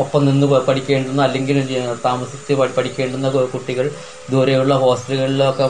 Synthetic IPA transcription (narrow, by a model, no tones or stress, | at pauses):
opːɐmninːɨpɐʈikʲːe̞ːɳɖunːuɐlːe̞ŋɡilt̪aːmɐsit͡ɕːɨɐpɐɽikʲːe̞ːɳɖunːɐkuʈːiɣɐɭ | d̪ʱuːɾejuɭːɐho̞ːsʈɐluɣɐɭilokːe